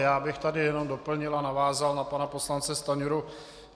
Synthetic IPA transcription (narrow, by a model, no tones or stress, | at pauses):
jaːbɪxt̪adɪjɛno̞mdo̞pl̩ɲɪlanavaːzalnapanapo̞slant͡sɛst̪aɲuɾu